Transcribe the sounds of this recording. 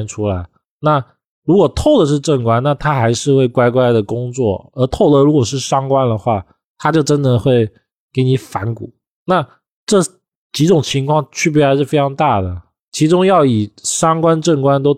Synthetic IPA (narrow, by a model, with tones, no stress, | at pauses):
nʈ͡ʂʰu˥la˧˥ɪ | na˥˩ | ɻu˧˥kwɔ˨˩t̪ʰo˥˩ʊd̪ə˩ʂ̬ɻ̩˥˧ʈ͡ʂə˥˩ŋkwa˥nna˥˩t̪ʰa˥xa˧˥ɪʂɻ̩˥˧xwe˥˩ɪkwa˥ɪkwa˥ɪd̪ə˨kʊ˥ŋt͡swɔ̰˥˩ə˞˧˥t̪ʰo˥˩ʊd̪ə˧ɻu˧˥kwɔ˨˩ʂ̬ɻ̩˥˩ʂɑ˥ŋkwa˥nd̪ə˨xwa˥˩ | t̪ʰa˥t͡ɕjo˥˩ʊʈ͡ʂə˥nd̪ə˨xwe˥˩ɪ | ke˧˥ɪni˧˥fa˧˥nkṵ˨˩˦ | na˥˩ | ʈ͡ʂɤ˥˩ | t͡ɕi˧˥ʈ͡ʂʊ˨˩ŋt͡ɕʰi˧˥ŋkʰwɑ˥˧ŋt͡ɕʰy˥˧p̬ɛ˥˧˩a˧˥ʂɻ̩˥˩fe˥ɪʈ͡ʂʰɑ˧˥ŋt̪a˥˩d̪ə˩ | t͡ɕʰi˧˥ʈ͡ʂʊ˥ŋjɑ˥˩ʊi˨˩ʂɑ˥ŋkwa˥nʈ͡ʂə˥˩ŋkwa˥nt̪̬o˥ʊ